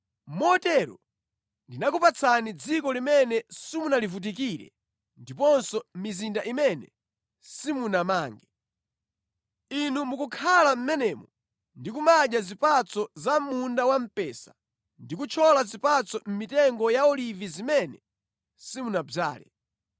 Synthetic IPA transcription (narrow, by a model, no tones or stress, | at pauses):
mɔtɛɾɔ̰ | ndinakupat͡sʰanid͡zikɔlimɛnɛsimunalivut̬ik̬iɾɛ̰ | ndipɔnsɔm̩mizindaʔimɛnɛ | simunamaːŋɡɛ | inumukukʰalam̩mɛnɛmɔ | ndikumaʄazipat͡sɔzamundawam̩pɛsḁ | ndik̬ut͡ʃʰɔlazipat͡sɔm̩mitɛŋɡɔjaɔlivizimɛnɛ | simunab͡ʐa̰ːlɛ̰